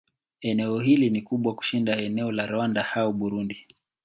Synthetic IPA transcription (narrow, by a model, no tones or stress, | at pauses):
ɛnɛɔhilinikuɓwaku̥ʃindaɛnɛɔlaɾɔwandahauɓuɾundi